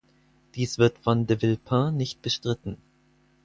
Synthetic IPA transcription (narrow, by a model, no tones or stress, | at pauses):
d̥iːsv̥ɪɐtfɔndəvɪlpʰãnɪçt̚b̥əʃtʁ̥ɪtn̩